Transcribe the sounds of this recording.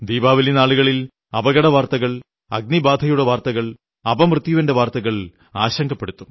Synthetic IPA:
d̪iːbaːʋilinaːɭuɣɐɭil | ɐbɐɣɐɽɐʋaːrt̪ɐɣɐɭ | ɐɡ̚nibaːd̪ʱɐjuɽeʋaːrt̪ɐɣɐɭ | ɐbɐmrɨt̪juʋɐnde̞ʋaːrt̪ɐɣɐɭ | aːɕɐŋɡʰʱɐpːe̞ɽut̪ːum

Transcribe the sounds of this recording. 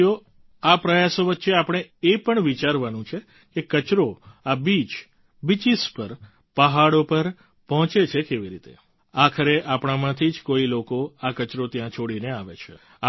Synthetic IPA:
o | apɾəjasoʋətːʃeapəɳ̃eepəɳʋit͡ʃaɾʋanũt͡ʃʰe | kekət͡ʃɾoabit͡ʃ | bit͡ʃispəɾ | pəɦaɽopəɾ | pɔɦɔ̃t͡ʃet͡ʃʰekeʋiɾit̪ḛ | akʰəɾeʔapɳ̃amãt̪ʰid͡ʒkoilokoakət͡ʃɾot̪jãt͡ʃʰoɽineaʋḛt͡ʃʰe

